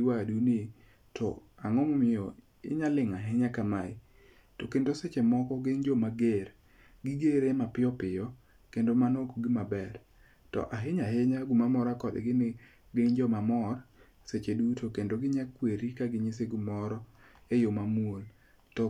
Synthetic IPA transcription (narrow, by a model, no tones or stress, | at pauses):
iwadunɪ | tʰɔ̰aŋɔmɔmɪɔ | ɪ̰ɲalɪŋaɦɪɲakamaɪ | tokendoset͡ʃemɔkɔɡeŋd͡ʒɔmaɡeɾ | ɡɪɡeɾemapɪɔpɪjɔ | kendomanokoɡɪmabɛr | tɔ̰ʔaɦɪɲaɦɪɲaɡumamɔɾakɔd̪ɛ̰ɡɪnɪ | ɡeŋd͡ʒɔmamɔr | set͡ʃedutokendoɡɪɲakweɾikaɡɪɲis̬eɡumɔɾɔ | ejomamuol | tɔ